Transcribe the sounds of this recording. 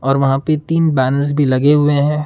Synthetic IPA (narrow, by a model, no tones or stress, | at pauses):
ɔːɾʋɐɦãpet̪iːnbɛːnəɾs̬bʱilɐɡeɦʊeɦɛ̃ː